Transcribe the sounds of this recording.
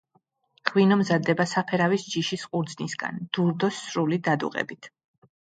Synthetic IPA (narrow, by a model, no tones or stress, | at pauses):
ʁwinɔmzad̪ɛbasapʰɛɾavisd͡ʒiʃisqʼuɾd̪znisɡa̰nd̪̥uɾd̪ɔsɾulid̪ad̪ṵqʼɛ̰bit̪ʰ